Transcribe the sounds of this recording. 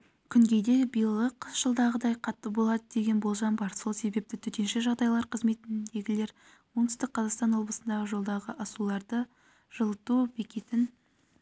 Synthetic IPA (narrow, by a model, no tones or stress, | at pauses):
kʲʰʏŋɡʲe̞d̪e̞bijəlˠəqʒ̥əlˠd̪ɑʁəd̪ɑjqʰɑt̪ːəbo̞lˠɑd̪əd̪e̞ɡʲe̞nbo̞lˠʒɑmbɑɾso̞lˠse̞be̞p̚t̪ɪt̪ʰʏt̪e̞nʃeʒɑʁd̪ɑjlˠɑɾqʰəzme̞t̪ɪnd̪e̞ɡʲɪle̞ɾ | wont̪ʰʏst̪ɪk̚qʰːɑzɑqst̪ɑnwo̞blˠəsənd̪ɑʁəʒo̞lˠd̪ɑʁəʔɑsulˠɑɾd̪ə | ʒ̥əlˠət̪ube̞kʲe̞t̪ɪn